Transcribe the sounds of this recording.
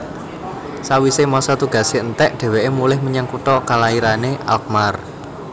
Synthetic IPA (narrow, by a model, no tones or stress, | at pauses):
sawisemɔsɔt̪uɡ̥ä̤seənt̪ɛʔɖ̥ɛ̤weemulɪhməɲaŋkut̪ɔkalaiɾaneʔa̰lk̚mar